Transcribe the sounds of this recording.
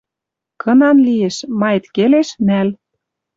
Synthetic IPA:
kɤ̆nɑnlijeʃmɑjet̪keleʃnæl

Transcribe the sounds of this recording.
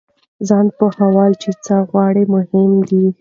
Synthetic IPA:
zɑnpəhawɑlt͡ʃet͡səɣwɑɽemʊhɪmd̪i

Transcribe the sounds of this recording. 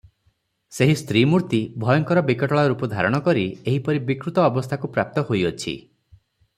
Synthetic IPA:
seɦist̪ʰɾimuɾt̪ibʱɔjɔŋkɔɾɔbikɔʈɔɭaɾupɔd̪ʱa̰ɾɔɽ̃ɔkɔɾieɦipɔɾibikɾut̪ɔːbɔst̪ʰakupɾap̚t̪ɔhojɔt͡ʃʰḭ

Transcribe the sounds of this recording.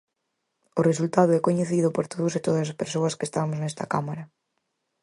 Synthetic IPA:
ʊresult̪aðʊɛkoɲeθiðʊpoɾt̪oðʊset̪oðɐspeɾsoɐskest̪aβmʊznɛst̪ɐkamaɾɐ

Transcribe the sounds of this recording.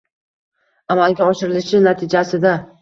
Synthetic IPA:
amalɡʲaɒʃɪɾɪlɪʃɪnat̪ʰɪd͡ʒasɪd̪a

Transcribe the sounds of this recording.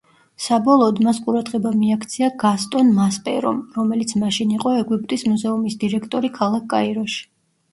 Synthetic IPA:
sabɔlˠɔːd̪masqʼuɾad̪ʁɛbamiakʰt̪sʰiaɡast̪ʼɔnmaspʼɛɾɔ̰mɾɔmɛlit̪sʰmaʃiniqʼɔɛɡwip̚ʼt̪ʼismuzɛumisd̪iɾɛkʰt̪ʼɔɾikʰalˠakʰʼːa̰iɾɔʃi̥

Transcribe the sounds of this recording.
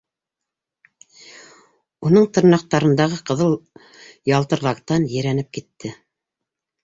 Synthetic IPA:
unɤɴt̪ɤ̆ɾnɑq̚t̪ɑɾɤ̆nd̪ɑʁɤqɤ̆ðɤlˠ | jɑlˠt̪ɤ̆ɾlˠɑk̚t̪ɑnjɘ̆ɾænɘp̚kit̪ːɘ

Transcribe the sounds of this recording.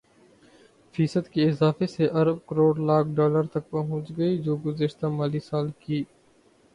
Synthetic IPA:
fiːsəd̪kiɪzaːfeseʔɐɾəb̚kəɾoːɽlaːkʰɖɔːləɾt̪ɐk̚pɐɦʊ̃t͡ʃɡɐid͡ʒoːɡʊzəʃt̪amaːlisaːlkiː

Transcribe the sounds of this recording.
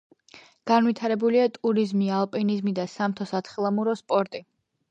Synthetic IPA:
ɡ̥anwit̪ʰaɾɛbuliat̪ʼuɾizmialˠpʼinizmid̪asamt̪ʰɔsat̪sʰχilˠamuɾɔspʼɔɾt̪ʼi

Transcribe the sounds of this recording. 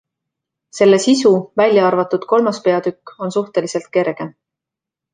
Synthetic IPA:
se̞lːe̞sisuvælʲjɑɑrvɑt̪ːˑud̪̥ko̞lmɑspe̞ɑd̪̥ykːˑo̞nsuht̪e̞lise̞lt̪̚ke̞rɡ̥e̞n

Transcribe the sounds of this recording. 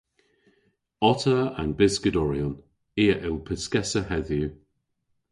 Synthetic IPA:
ɔtʰəa̰nbɪskədɔɹiən | eːəʔɪlˠpʰɪskɛsəhɛðju

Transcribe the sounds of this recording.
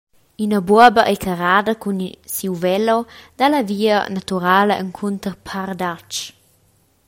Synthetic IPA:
ynəbuɐbəʔəkʰəɾaːdəkunsiwvɛlod̥̪alaviːənat̪uɾaːləʔə̰ŋkʰunt̪əɾpʰaɾd̪at͡ʃ

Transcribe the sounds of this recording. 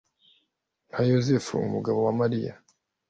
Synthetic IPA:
n̥ajozefṵṵmuɡaβowamaɾija̰

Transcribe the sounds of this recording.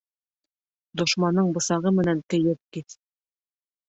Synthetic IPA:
d̪ŏʃmɑnːɤɴbɤ̆sɑʁɤmɘ̆nænt̪ɘ̆jɘp̚kiθ

